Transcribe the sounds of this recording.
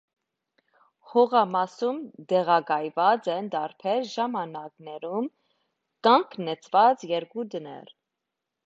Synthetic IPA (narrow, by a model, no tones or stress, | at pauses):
hɔʁɑmɑsumd̪ɛʁɑɡɑjvɑt͡sɛnd̪ɑɾpʰɛɾʒɑmɑnɑknɛɾum | kɑŋkʰnɛt͡sʰv̥ɑt͡sjɛɾkud̪ənɛ̰ɾ